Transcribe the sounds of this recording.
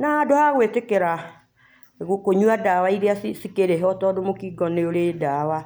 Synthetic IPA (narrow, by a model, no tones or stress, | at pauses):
nadohaɣwetekeɾa | ɣukoɲwadawaiɾeasisikeɾeɦɔtɔdomokiɡɔneoɾedawa